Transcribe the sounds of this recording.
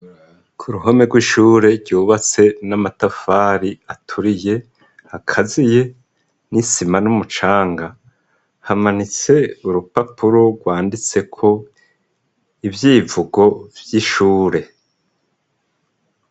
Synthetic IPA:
kʰuɾuɦo̞me̞ɡwiːʃuːɾe̞ɾɟuːβat͡se̞namatafaɾiatʰuɾije̞ | hakʰazije̞ | nisimanumut͡ʃaːŋɡa | hamanit͡se̞uɾupapʰuɾo̞ɡwaːndit͡se̞kʰo̞ | ivjiːvuɡo̞vjiʃuːɾe̞

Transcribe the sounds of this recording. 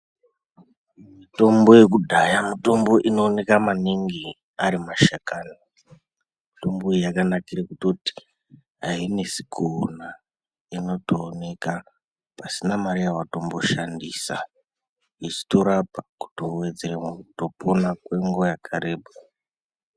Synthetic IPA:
mito̞mbo̞je̞kudʱajamito̞mbo̞ʔino̞ːne̞kamaniŋɡi | aɾimaʃakaːni | mito̞mbo̞ijakanakirakuto̞ti̥ | ɦaine̞si̥kʰona | ino̞toːne̞ka | pasinamaɾijawato̞mbo̞ʃandiːsa̰ | it͡ʃi̥toɾapaku̥towe̞d͡zeremukuto̞pʰonakwe̞ŋɡo̞jakʰaɾeːbo

